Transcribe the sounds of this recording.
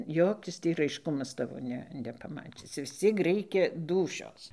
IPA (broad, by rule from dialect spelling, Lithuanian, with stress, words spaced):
ˈjoːkʲɪs tʲiː rɐɪʃˈkʊmɐs ˈtɑːʋoː ˈnʲɛ nʲɛpɐˈmɑːt͡ʃʲɪs ʋʲɪs ˈt͡sʲiɛk ˈrʲɛɪkʲɛ ˈduːʃʲoːs